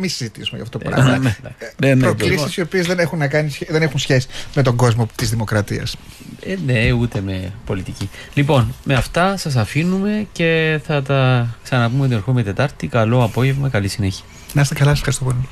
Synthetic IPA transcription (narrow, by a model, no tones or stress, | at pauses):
misizit̪isumejɐ̰ftotoɾɐ̰ɐeɐnenpɾolisisio̞piezðenexunːɐkɐnisðenexunsçesi̥met̪o̞ŋɡo̞zmot̪izðimo̞kɾɐt̪iɐ̰s | neut̪e̞me̞po̞lit̪icilipo̞nme̞ɐft̪ɐsɐs̬ɐfinume̞ce̞θɐt̪ɐksɐnɐpumo̞t̪ie̞ɾxumet̪et̪ɐɾt̪ikɐlo̞ɐpo̞ʝevmɐkɐlisine̞çiɐ | nɐst̪ekɐlɐsɐsfxɐɾist̪opoli